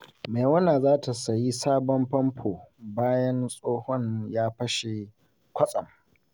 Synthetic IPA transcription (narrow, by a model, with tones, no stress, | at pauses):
meː˨wɐ˦naː˨zaː˦tʰa˨sɐ˨ji˦saː˦bɔ˦mɸɐ˦mpʰoː˨baː˦jɐ˦nsʼoː˦hɔ˦ɲjaː˦ɸɐ˦ʃe˨ | kʷɐ˦sʼɐ̰˨m